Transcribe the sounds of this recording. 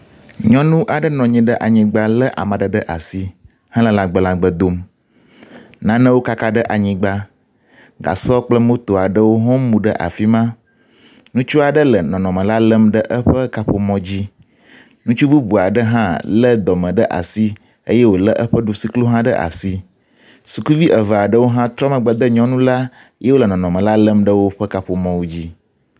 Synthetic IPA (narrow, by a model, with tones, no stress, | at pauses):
ɲɔ̃˦nũ˦ʔa˨ɖə˦nɔ̃˨ɲɛ̃˨ɖə˦ʔa˨ɲĩ˨ɡ͡ba˦lə˦ʔa̰˨mã˨ɖə˨ɖə˦ʔa˨si˦ | hã˦lə˦la˦ɡ͡bə˦lã˦ɡ͡bə˦d̪o˦m | nã˦nə̃˦wo˦ka˦ka˦ɖə˦ʔa˨ɲĩ˨ɡ͡ba˦ | ɡa̰˨sɔ˦k͡plə˦mõ˦t̪o˨a˨ɖə˦wo˦ɦɔ̃˦mũ˨ɖə̰˦ʔa̰˨fi˦mã˦ | nũ˦t͡ʃu˦a˨ɖə˦lə˨nɔ̃˨nɔ̃˨mə̃˨la˦lə˦mɖə˦ʔə˦ɸə˦ka˦ɸo˨mɔ̃˨d͡ʑi˦ | nũ˦t͡ʃu˦bu˦bu˨a˨ɖə˦ɦã˦lə˦d̪ɔ˨mə̃˨ɖə˦ʔa̰˨si˦ | ə˦jɛ˦wo˨lə˦ʔə˦ɸə˦ɖu˨si˦klu˦ɦã˦ɖə˦ʔa̰˨si˦ | su˨ku˦vi˦ʔə˨və˨a˨ɖə˦wo˦ɦã˦t̪ɾɔ˦mə̃˨ɡ͡bə˦d̪ə˦ɲɔ̃˦nũ˦la˦ | je˦wo˦lə˨nɔ̃˨nɔ̃˨mə̃˨la˦lə˦mɖə˦wo˦ɸə˦ka˦ɸo˨mɔ̃˦wu˦d͡ʑi˦